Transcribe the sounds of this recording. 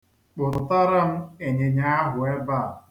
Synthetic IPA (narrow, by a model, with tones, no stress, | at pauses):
k͡pʊ˨ɾʊ˨ta˦ɾa˦m̩˦e˨ɲe˨ɲa˦a˦ɦʊ˨e˦ba˦˨